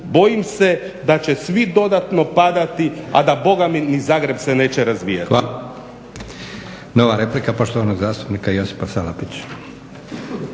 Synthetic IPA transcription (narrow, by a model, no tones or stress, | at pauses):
bo̞jimse̞ | d̪at͡ɕe̞sʋid̪o̞d̪at̪no̞pad̪at̪ia̰d̪abo̞ɡaminizaːɡɾe̞bse̞ne̞ːt͡ɕeɾazʋḭːja̰a | noʋaɾeplikapo̞ʃt̪oʋanoɡzaːst̪u̥pnikaijo̞si̥pasalapit͡ɕ